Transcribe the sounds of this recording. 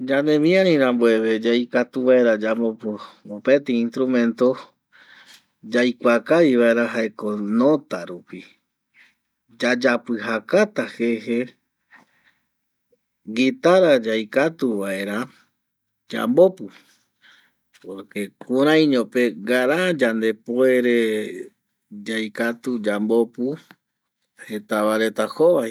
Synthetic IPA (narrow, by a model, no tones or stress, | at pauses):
d͡ʒãnd̪ẽmĩãɾĩɾãmboe̞βe̞d͡ʒajkat̪uβae̞ɾad͡ʒambopuopet̪eĩnst̪ɾumẽ̞nt̪o̞ | d͡ʒajkʷakaβiβae̞ɾaɦaekonõt̪aɾupi | d͡ʒad͡ʒapɨɦakat̪ahe̞he | ɡit̪aɾad͡ʒajkat̪uʋae̞ɾa | d͡ʒa̰mbo̞pu | poɾke̞kʰũɾ̃ãj̃ɲõpe̞ɡaɾad͡ʒand̪e̞poe̞ɾe̞ | d͡ʒajkat̪ud͡ʒambo̞pu | he̞t̪aβaɾe̞t̪ahoβaj